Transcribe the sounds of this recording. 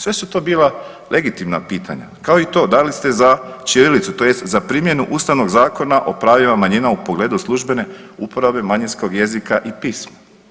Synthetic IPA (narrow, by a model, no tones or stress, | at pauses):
sʋe̞sut̪o̞biːla | lʔe̞ɡit̪imnapiːt̪ʰa̰ɲa̰kaoit̪o̞ːd̪alist̪e̞zat͡ʃiɾilit̪sut̪o̞jest̪zapɾimje̞nuʔuːst̪aʋno̞ɡzaːko̞naʔo̞̰pɾaʋimamaɲinaupo̞ɡle̞ːd̪uslˠuʒbe̞ne̞upoɾabe̞maɲinsko̞ɡje̞zikaʔipiːsma